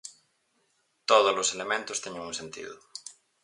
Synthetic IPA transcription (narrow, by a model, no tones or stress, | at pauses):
t̪oðozloselemẽnt̪ʊst̪ɛɲẽŋuŋsẽnt̪ḭðʊ